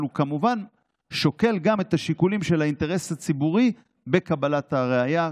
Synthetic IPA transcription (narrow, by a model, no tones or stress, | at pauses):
lukamuvan | ʃo̞ke̞lɡame̞taʃikulimʃe̞lainte̞ʁe̞shat͡sibuʁi | be̞kabalataʁeaja